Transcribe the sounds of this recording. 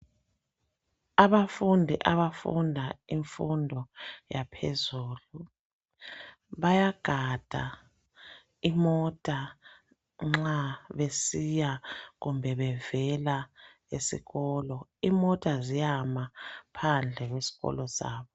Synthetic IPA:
aβafundʱiʔaβafṵndʱaiɱfundʱɔjapʰezuːlu | βajaɡ̥ʱad̥ʱa̰ | imɔtʼa | ŋ͡ǁaβesijaɣumbʱɛβɛvɛla | esḭɣɔlɔimɔtʼazijamapʰand͡ɮʱɛɣwesi̥ɣɔ̰lɔsa̰ːβɔ

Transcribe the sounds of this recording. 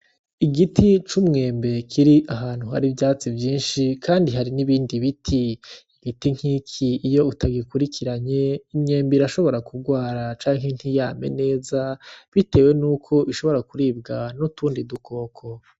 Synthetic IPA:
iɡitit͡ʃumŋe̞ːmbe̞kʰiɾiʔaɦaːn̥huɦa̰ɾivjaːt͡sivjiːnʃikʰaːndiɦaɾiniβiːndiβitʰiː | ɡitiŋ̥hikʰiːjo̞utʰaɡikuɾikiɾaɲe̞imɲe̞ːmbiɾaʃo̞βo̞ɾakuɡwaːɾat͡ʃaːŋhen̥hijaːme̞̰ne̞ːzaβite̞ːwe̞nuːkʰo̞ʔiʃo̞βo̞ɾakuɾiːb̚ɡanutuːndidukʰo̞ːkʰo

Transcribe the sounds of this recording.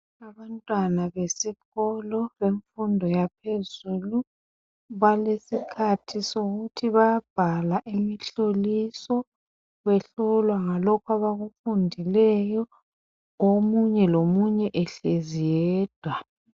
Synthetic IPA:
aβantʼwanaβesiɣɔlɔβeɱfundʱɔjapʰezulu | βalesikʰatʰisoɣutʰiβajab̥ʱalaʔimiɬolisɔ | βɛɬɔlwaŋalɔkʰaβaɣufundʱilɛjɔ | omuɲɛlomuɲɛʔɛɬezijɛːd̥ʱwa

